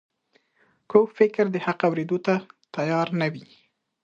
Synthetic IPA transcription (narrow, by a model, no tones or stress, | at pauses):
kofɪkɾd̪əhaqawɾed̪ot̪at̪ajɑɾnawi